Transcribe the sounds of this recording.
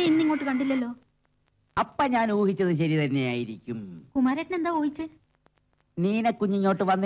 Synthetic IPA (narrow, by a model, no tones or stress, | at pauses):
inːiŋːo̞ːʈːɨkɐɳɖilːɐlːo̞ː | ɐpːɐɲaːnuːhit͡ɕːɐðɨɕ̬ɐɾit̪ɐnːe̞jaːjiɾikʲːumkumaːɾeʈːɐne̞nd̪aːoːjit͡ɕːɨ | niːnekːuɲːiɲːo̞ːʈːɨʋɐnː